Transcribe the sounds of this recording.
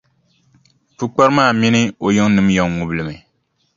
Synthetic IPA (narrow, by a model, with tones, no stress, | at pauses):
pu˦k͡pa˦ɾmaː˦˨mi˦nɨ˦o˨jo˦ŋnɨ˦mjɔ˨ŋŋu˨blɨ˨mɨ˨